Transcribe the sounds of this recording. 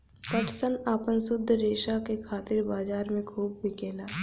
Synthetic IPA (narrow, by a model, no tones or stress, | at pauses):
kəʈsənaːpənsʊd̪ʱːɾeːʃakekʰaːt̪ɪɾbaːd͡ʒaːɾmẽkʰuːb̚bʱikɛːlaː